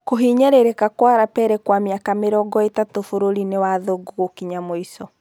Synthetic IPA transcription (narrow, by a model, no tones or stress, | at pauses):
koɦiɲɛɾeɾekakwaɾapɛɾɛkwameakameɾɔːɡɔetatofoɾoɾinewaðoɡoɣokiɲamoisɔ